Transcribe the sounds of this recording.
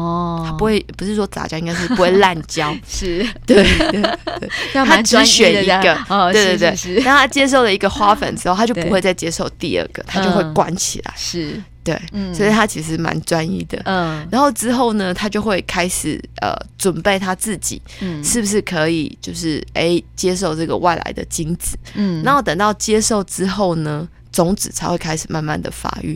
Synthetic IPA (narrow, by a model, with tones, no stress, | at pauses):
t̪ʰa˥u˧˦xwe˥˩ɪpu˧˦ʂɻ̩˥˩ʂwɔ˥t͡sa̰˨˥t͡ɕjɑ˥ʊĩ˥ŋɡa˥ɪʂɻ̩˥˩pu˧˥xwe˧˥˩ɪla˥˨˩nt͡ɕjɑ˦˥ʊʂ̩˥˩t̪we˥˩ɪwe˥˩˧e˥˩t̪ʰa˥ʈ͡ʂɻ̩˧˥ɕɥɛ˨˦nii˧˥ɡə˧e˥˧twe˥˧t̪we˥˩˧ɪnna˥˧ŋ˥˩t̪ʰa˥t͡ɕjɛ˥ʂ̬o˥˩ʊlə˩i˧˥ɡə˨xwa˥fə̰˨˩nʈ͡ʂɻ̩˥o˥˨t̪ʰa˥jo˥˩˧ʊpu˧xwe˥˧ɪt͡sa˥˩ɪt͡ɕjɛ˥ʂo˥˧ʊt̪i˥˧ə̰˥˩ɡ̥ə̰˨˩t̪ʰa˥t͡ɕjo˥˧ʊxwe˥˩ɪkwa̰˦˥nt͡ɕʰḭ˨˩lə̰˨˩ɪ˥˩t̪we˥˩ɪswɔ˧˥i˨˩t̪ʰa˦t͡ɕʰi˧˥ʂ̩˧˩ʂma̰˧˦nt͡swa˦nḭ˥˩d̪ə̰˩ɻa˧˦nxo˥˩ʊʈ͡ʂɻ̩˥xo˥˩ʊnə˩t̪ʰa˥t͡ɕjo˥˧ʊxwe˥˩ɪkʰa˥ɪʂɻ̩˨˩ə̰˨˩t͡swə˨˩npe˥˩ɪt̪ʰa˥t͡sɹ̩˥˩t͡ɕḭ˨˩ʂɻ̩˥˩bu˩ʂ̬ɻ̩˥˩kʰɤ˧˦ḭ˨˩t͡ɕjo˥˧ʊʂɻ̩˥˩e˥ɪt͡ɕjɛ˥ʂ̬o˥˧ʊʈ͡ʂɤ˥˩ɡə˨˩wa̰˥˩ɪlʔa̰˧˥ɪd̪ə̰˨t͡ɕi˥ŋt͡sɹ̩˨˩˦na˨˦o˥˩t̪ə˨˩ŋt̪ɑ˥˩ʊt͡ɕjɛ˥ʂo˥˩ʊʈ͡ʂɻ̩˥xo˥˩ʊnə˦ | t͡sʊ˧˥ŋt͡sɹ̩˨˩t͡sʰa˨˧ɪwe˥˩ɪkʰa˥ɪʂɻ̩˨˩ma˥˧nma̰˥˩nd̪ə̰˩fa̰˧˥y̰˥˩